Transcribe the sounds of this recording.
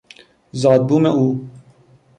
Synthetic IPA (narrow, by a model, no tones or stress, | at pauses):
zɑːd̪̚buːmɛʔuː